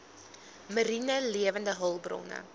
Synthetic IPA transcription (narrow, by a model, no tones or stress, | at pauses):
məɾinəliəvəndəɦəlˠbrɔ̰nə̰